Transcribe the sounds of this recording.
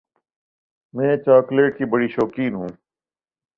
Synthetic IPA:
mɛ̃ːt͡ʃaːkleːʈkibɐɽiʃɔːkiːnɦũː

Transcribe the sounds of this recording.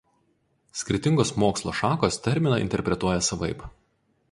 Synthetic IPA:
sʲkʲɪɾʲɪt̪ʲɪŋɡoːsmoːkslˠoːʃɑːkoːst̪ʲɛɾʲmʲɪnɐʔɪ̰nʲt̪ʲɛɾʲpʲɾʲɛt̪uɔjɛsɐʋɐɪp

